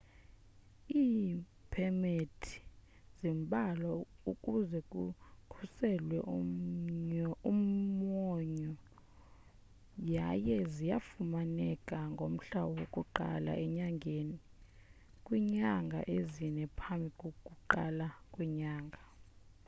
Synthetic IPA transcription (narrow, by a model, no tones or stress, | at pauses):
iː | pʰɛmetʰi̥ | zimbʱʼalɔukʼuzɛkʼukʰusɛlwɛʔuɲɔummɔɲɔ | jajɛzija̰fumanɛkʼaŋɡʱom̩ɬawɔwokʼuǃa̰la̰ʔɛɲaŋɡʱeːni | kʼwiɲaŋɡʱa̰ʔezinɛpʰambʱikʼokʼuǃa̰lakʼwiɲaːŋɡʱa